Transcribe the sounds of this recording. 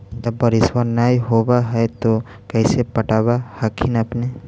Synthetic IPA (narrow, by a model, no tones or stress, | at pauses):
d͡ʒɐbːəɾɪswaɾnaːiɦoːbaɦɛt̪o | kɛɪsepɐʈaːbahakʰɪnɐpne